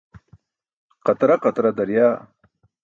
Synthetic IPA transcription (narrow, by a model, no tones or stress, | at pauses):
qɐt̪ɾaqat̪ɾad̪ɐɾjaː